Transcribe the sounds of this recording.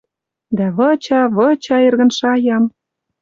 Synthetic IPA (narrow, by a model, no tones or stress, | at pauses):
d̪æβɤ̆t͡ɕɑβɤ̆t͡ɕɑerɣə̆nʃɑjɑm